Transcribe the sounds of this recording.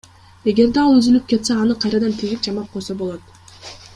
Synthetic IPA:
e̞ɡe̞ɾd̪eɑlˠyzylyp̚ke̞t̪seɑnɯqʰɑjɾɑd̪ɑnt̪ʰiɡik̚d͡ʒɑmɑp̚qʰo̞jsobo̞lˠot̪

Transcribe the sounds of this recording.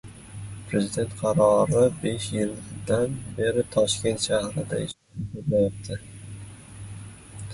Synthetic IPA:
pʰɾe̞zid̪e̞nt̪̚qʰɑɾɒɾɪbe̞ʃjɪld̪anbe̞ɾɪt̪ʰɒʃkʲe̞nt̪ʃahɾɪd̪a̰ɪʃ | oɾmajɒp̚t̪ʰɪ

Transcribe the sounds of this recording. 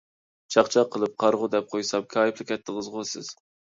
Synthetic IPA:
t͡ʃʰɑχt͡ʃʰɑqʰːəlˠɨp̚qʰɑɾʁʊd̪ɛp̚qʰojsɑmkʲʰɑːjiplˠɪkʲʰɛt̪ʰːɪʁəzʁosɪ̰z̥

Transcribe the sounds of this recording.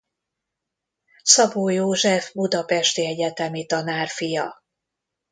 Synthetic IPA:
sɒboːjoːʒɛfbud̪ɒpɛʃt̪iɛɟɛt̪ɛmit̪ɒnaːrfijɒ

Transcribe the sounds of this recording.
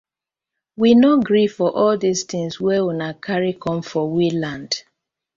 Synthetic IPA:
winoɡɹifɔʔɔldist̪ĩŋswɛunakʰaɹikʰɔ̃mfɔwilãnd̥

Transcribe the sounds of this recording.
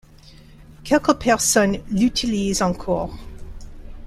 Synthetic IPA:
kʰɛlkəpʰɛʁsɔnlyt̪ʰilizɑ̃kʰɔːʁ

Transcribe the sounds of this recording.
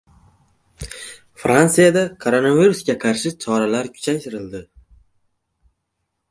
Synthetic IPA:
fɾansijad̪akʰoɾo̞naviɾusɡʲaqʰɑɾʃɪt͡ʃʰɒɾalaɾkʲʰʊ̥t͡ʃʰajt̪ʰɪɾɪld̪ɪ

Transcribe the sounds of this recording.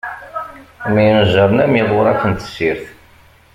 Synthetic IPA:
mijnəʒəɾˤnæmiðˤoɾækənt̪ə̥siɾθ

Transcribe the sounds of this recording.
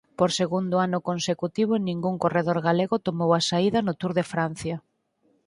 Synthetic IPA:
poɾseɣund̪ʊanʊkonsekut̪iβ̞ʊnĩŋɡuŋkoreðoɾɣaleɣʊt̪omowasaiðɐnʊt̪uɾðɪfɾan̟θjɐ

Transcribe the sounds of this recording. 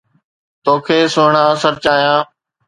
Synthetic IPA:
t̪oːkʰeːsʊːɳaːsəɾt͡ɕaːjãː

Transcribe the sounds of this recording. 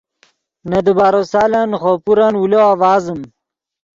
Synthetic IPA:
nɐd̪ubaːɾosaːlanxopuɾanwuloawaːzəm

